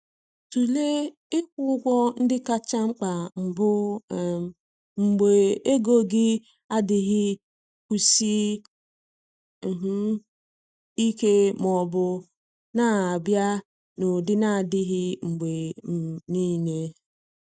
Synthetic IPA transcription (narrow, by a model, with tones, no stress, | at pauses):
tu˨le˦ | ɪ˦kʷʊ˦ɡʷɔ˦n̩˦dɪ˦ka˦t͡ʃa˦ŋ͡m̩˦k͡pa˨m̩˨bʊ˦˨ | ŋ͡m̩˨ɡ͡be˨e˦ɡo˦ɡɪ˦ | a˦dɪ˨ɦɪ˦ | kʷu˨si˦ | m̩˨ɦ̩˦ | i˦ke˦mɔ˨bʊ˦ | na˨˦a˨bja˦ | no˨dɪ˦na˨dɪ˦ɦɪ˦ŋ͡m̩˨ɡ͡be˨ni˦ne˦